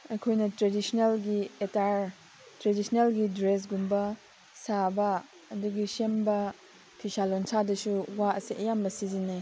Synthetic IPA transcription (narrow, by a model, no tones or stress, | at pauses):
ɐjkʰojnɐtɾedisnelɡietaɾ | tɾedisnelɡidɾes̬ɡumbɐ | sabɐː | duɡisembɐ | pʰisalonsʰadɐsuwaɐsiʔɐjambɐsizine